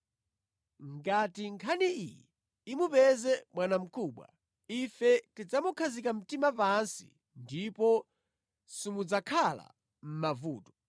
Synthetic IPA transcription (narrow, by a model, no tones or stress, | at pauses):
ŋɡatiŋkʰaniḭjɛ | imupɛzɛmwanam̩kʰuːɓwa̰ | ifɛtid͡zamukʰazikam̩timapansḭ | ndipɔ | simud͡zakʰala̰ | m̩mavuːtɔ